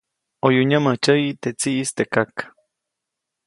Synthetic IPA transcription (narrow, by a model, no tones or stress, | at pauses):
ojuɲamət͡ʃəit̪et͡siʔːst̪ekakḁ